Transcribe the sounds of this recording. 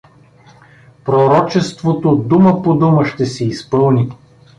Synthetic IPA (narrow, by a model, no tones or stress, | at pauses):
pɾoɾɔt͡ʃɛst̪vot̪od̪uməpod̪uməʃt̪ɛsɛispɤlˠnʲi